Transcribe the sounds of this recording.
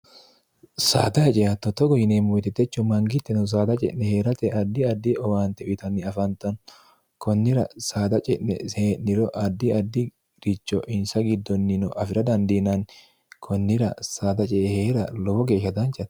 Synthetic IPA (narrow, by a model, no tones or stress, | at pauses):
sa̰ːd̪ɐhɛt͡ʃʼɛjɐt̪ːɔt̪ːɔɡɔjɪneːmɔɛt̪ɛt̪ːɛt͡ʃːʊmɐŋɡɪt̪ːɛnɔs̬aːd̪ɐt͡ʃʼɛ̰ʔnɛheːɾɐt̪ɛʔɐd̪ːɪɐd̪ːɪɔwaːnt̪ɛʊt̪ɐnːɪɐfɐnt̪ɐn | kɔnːɪɾɐsaːd̪ɐt͡ʃʼɛɛ̰eːnnɪɾɔʔɐd̪ːɪɐd̪ːɪ | ɾɪt͡ʃːɔʔɪnsɐɡɪd̪ːɔnːɪnɔʔɐfɪɾɐd̪ɐnd̪inɐn | kʰɔnːɪɾɐ̰saːd̪ɐt͡ʃʼɛheɾɐlɔwɔɡe̞ːʃːɐd̪ɐnt͡ʃːɐt̪